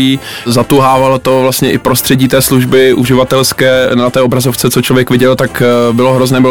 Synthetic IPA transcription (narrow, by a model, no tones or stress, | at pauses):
iː | zat̪uɦaːvalot̪o̞vlast̪ɲɛʔɪpɾost̪r̥ɛɟiːt̪ɛːsluʒbɪʔuʒɪvat̪ɛlskɛːnat̪ɛːobɾazoft͡sɛt͡sot͡ʃlovjɛkvɪɟɛlt̪akbɪloɦɾoznɛːbɪl